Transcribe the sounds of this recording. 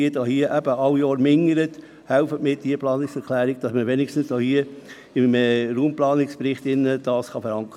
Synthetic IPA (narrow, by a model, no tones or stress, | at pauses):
idɑhiəʔæb̥əʔɑwjɑːɾmɪŋəɾət | hælfətmɪːd̥iəplɑːnɪksɛɾkʰlæːɾɪɡ̚d̥ɑsməʋenɪkʃtən̩sd̥oːhiə | ɪməruːmplɑːnɪkspɾɪχt̪ɪnːəd̥ɑːsχɑfəɾɑŋk